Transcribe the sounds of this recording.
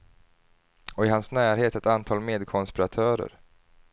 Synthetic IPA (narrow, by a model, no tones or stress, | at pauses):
ɔɪɦansnæːɾɦeːt̪ɛt̪ant̪ʰɑːlmeːd̪kʰɔnspɪɾat̪ʰœːɾə̰ɾ